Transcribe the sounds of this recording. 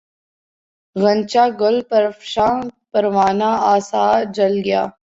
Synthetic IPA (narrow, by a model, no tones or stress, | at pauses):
ɣə̃nt͡ʃaːɡʊlpəɾfʃãːpɐɾʋaːnaaːsaːd͡ʒɐlɡɪja̰ː